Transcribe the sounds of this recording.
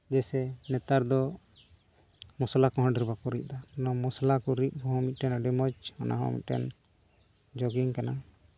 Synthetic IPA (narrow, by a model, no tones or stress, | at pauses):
d͡ʒɛsɛnɛt̪aɾd̪ɔ | mɔslakɔɦɔ̃ɖiɾbakɔɾic̚ˀd̪anɔmɔslakɔɾiʔ̚ˀhɔɦɔ̃mit̪̚ˀʈɛnaɖɛmɔt͡ʃɔna̰ɦɔ̰mḭt̪̚ˀʈɛ̰n | d͡ʒɔɡiŋkana